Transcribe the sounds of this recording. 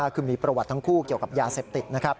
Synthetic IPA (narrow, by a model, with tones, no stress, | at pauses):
a˥˩kʰɯː˧˩miː˧pɾa˧wa˨˩t̪ːʰa˥ŋkʰuː˥˩ki˨˩əwka˨˩p̚jaː˧seː˨˩p̚t̪i˨˩t̪̚na˦˥kʰa˦˥p̚